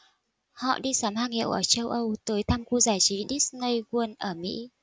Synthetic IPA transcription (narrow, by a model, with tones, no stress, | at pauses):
hɔ̰˧˨ɗi˧saː˨˦mhaː˧ŋhḭ˧˨wʔəː˧˩t͡ɕə˧wʔə˧wt̪əː˨˦jt̪ʰaː˧mku˧zaː˧˩jt͡ɕi˨˦ɗi˦˥snə˧jɣwə˧ənʔəː˧˩mḭ˧˥